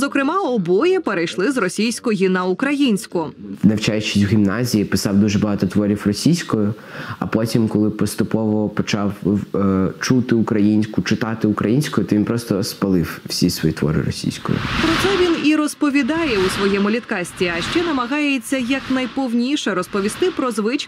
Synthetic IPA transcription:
zɔkɾɪmɑɔbɔjɛpeɾɐjʃlˠɪzrɔsʲijsʲkɔjinɐʊkɾɐjinʲsʲkʊnɐwt͡ʃajʊt͡ʃɪ̥sʲwɣʲimnɑzʲijipɪsɑwd̪uʒɛbɐɦɑt̪ɔt̪ʋɔɾʲifrɔsʲijsʲkɔjʊ | ɐ̰pɔtʲimkɔlˠɪpɔst̪ʊpɔʋɔpɔt͡ʃɑw | t͡ʃut̪ɪʊkɾɐjinʲsʲkʊt͡ʃɪt̪ɑt̪ɪʊkɾɐjinʲsʲkɔjʊt̪ɔʋʲinpɾɔst̪ɔspɐlˠɪwwsʲisʋɔjit̪ʋɔ̰ɾɪ̰rɔ̰sʲḭjsʲkɔ̰jʊ̰pɾɔt̪sɛʋʲiniɾɔspɔʋʲid̪ɑjɛʊsʋɔjɛmʊlʲit̪kɑsʲtʲiɐʃt͡ʃɛnɐmɐɦɑjet͡sʲːɐjɐknɐjpɔwnʲiʃɛɾɔspɔʋʲist̪ɪpɾɔzʋɪt͡ʃ

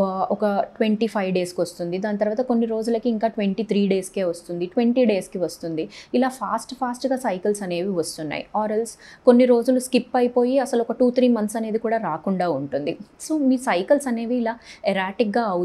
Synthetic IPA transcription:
ɔkɐʈʋeɳʈipʰɐjʋɖe̞ːskiʋɐst̪und̪id̪aːnɐt̪ɐɾʋaːt̪ɐko̞nːiɾo̞ːd͡ʒulɐkiːŋkaːʈʋe̞ɳʈiːt̪ʰɾiːɖe̞ːskeːʋɐst̪und̪iʈʋe̞ɳʈiːɖe̞ːskiʋɐst̪und̪iilaːpʰaːsʈpʰaːsʈɡaːsɐjkɐlsɐne̞ːʋiʋɐst̪unːa̰ːjḭaːɾelsko̞nːiɾo̞ːd͡ʒuluskipːɐjipo̞ːjiɐsɐluɔkɐʈuːt̪ʰɾiːmɐnt̪sɐne̞ːd̪ikuːɽaːɾaːkuɳɖaːuɳʈund̪isoːmiːsɐjkɐlsɐne̞ːʋiːlaːɛɾaːʈik̚ɡaːɐ

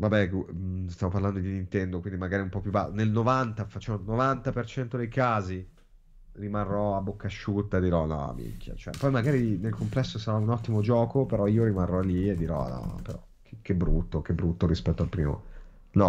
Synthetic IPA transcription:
vabɛkust̪javoparland̪od̪inint̪ɛnd̪okwind̪imaɡaːɾiumpɔpjuba̰nelnovant̪afat͡ʃːɛnovant̪apert͡ʃɛnt̪od̪ejkaːzi | rimarːɔabːokːaʃːut̪ːad̪iɾɔnɔ̰mḭkʰːa̰t͡ʃoɛ̰pːɔjmaɡaːɾinelkomplɛsːosaɾaunɔt̪ːimod͡ʒɔːkopeɾɔioɾimarːɔlːied̪ːiɾɔ̰nɔ̰peɾɔ̰ | kek̟ebɾut̪ːok̟ebɾut̪ːoɾispɛt̪ːoalpɾiːmo̰ | nɔ

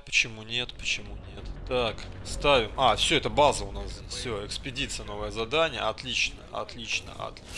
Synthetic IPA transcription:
pə̥t͡ɕɪmunʲe̞t̪pə̥t͡ɕɪmunʲe̞t̪ːakst̪avʲɪmafsʲɵɛt̪əbazəʊnasdʲesʲfʲsʲoɪkspʲɪdʲit̪sɨjəno̞vəjəzɐd̪anʲɪjə̰ɐt̪lʲit͡ɕnə̰ɐ̰t̪lʲit͡ɕnə̰ɐ̰t̪

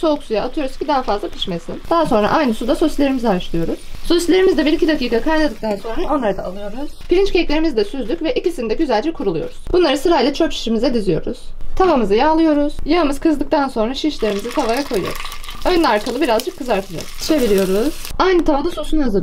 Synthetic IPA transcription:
so̞uksujaʔːt̪ʰɯjo̞ɾuz̥cʰʲid̪aɦafazlˠapʰi̥ʃmesind̪̥aɦaso̞nɾa̰ʔajnɯsud̪asosʲlʲeɾimizaʃlˠɯjo̞ɾuz̥soslʲeɾimizd̪ɛbiɾicʰid̪akiːkʰakʰajlˠad̪ɯk̚t̪ʰanso̞nɾao̞nlˠaɾad̪aːlˠɯjo̞ɾuz̥b̥iɾint͡ʃcʰeclʲe̞ɾimizd̪ɛsyzlʲycvɛʔicisinid̪ɛɟyzælʲd͡ʒɛkʰuɾulˠujo̞̰ɾuz̥b̥unlˠaɾɯsɯɾailʲɛt͡ʃʰøpt͡ʃi̥ʃimizɛd̪izijo̞̰ɾṵz̥t̪ʰavamɯzɯjaːlˠɯjo̞ɾuz̥jamɯz̥kʰɯzd̪ˠɯk̚t̪ʰanso̞nɾaʃiʃlʲe̞ɾimizit̪ʰavajakʰo̞jɯ̰jo̰ɾuz̥ønlʲɛaɾkʰalˠɯbiɾazd͡ʒɯkʰːɯzaɾt̪ʰɯd͡ʒa̰kʃevilʲijo̞ɾuz̥ajnɯt̪ʰavad̪asusunhazɯ

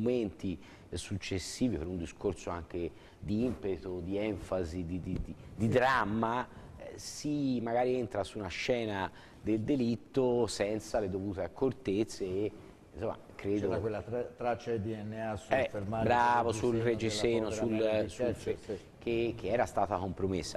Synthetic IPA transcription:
oment̪i | sut͡ʃːesːiːvipeɾund̪iskorsoaŋk̟e | d̪iimpet̪od̪iɛɱfazid̪id̪id̪id̪id̪ɾamːa | simaɡaːɾient̪ɾasuːnaʃɛːna | d̪eld̪elit̪ːosɛnt̪saled̪ovuːt̪eakʰːort̪et̪sːeː | insomːa̰kɾeːd̪okwelːat̪ɾat͡ʃːad̪iɛnːeasɛfeɾmabɾavosulred͡ʒisɛnosuls | kʰek̟ːeɛːɾast̪aːt̪akompɾomesːa

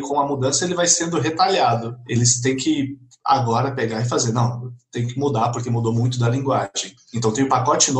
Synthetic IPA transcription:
kõw̃ɐmud̪ɐ̃sɐelɪvajsẽnd̪ʊɦet̪aʎad̪ʊelɪst̪ẽj̃kɪ | a̰ɡɔɾɐpeɡaɪf̬azeɾnɐ̃w̃t̪ẽj̃kɪmud̪apoɾkemud̪omũj̃t̪̬ʊd̪ɐlĩɡwaʒẽj̃ẽnt̪ɐ̃t̪ẽj̃ʊ̃pakɔt͡ʃɪno

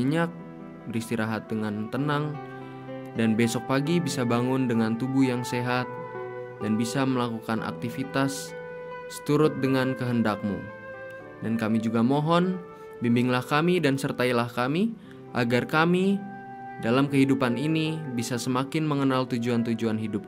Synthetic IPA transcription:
iɲak̚ | bəɾist̪iɾaɦat̪̚dəŋant̪ənaŋ | danbesɔk̚paɡibisabaŋʊndəŋant̪ubuhjaŋseɦat̪̚danbisaməlakukanʔa̰k̚t̪ifit̪asː | ə̥t̪uɾʊt̪̚dəŋankəɦəndak̚mṵ | dankamid͡ʒuɡamɔɦɔn | bimbɪŋlahkamidansərt̪ailahkami | ʔa̰ɡarkami | dalamkəɦidupaninibisasəmakɪnməŋənalt̪ud͡ʒuant̪ud͡ʒuanɦidʊp̚

